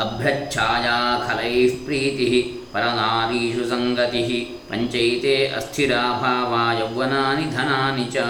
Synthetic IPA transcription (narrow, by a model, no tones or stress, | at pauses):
ɐbʱjɐt͡ʃʰaːjaːkʰɐlɐjpɾiːt̪iɦi | pɐɾɐnaːd̪iːʃusɐŋɡɐt̪iɦi | pɐɲt͡ʃɐjt̪eːʔɐ̰st̪ʰiɾaːbʱaːʋaːjɐwːɐnaːnid̪ʱɐnaːnit͡ʃɐ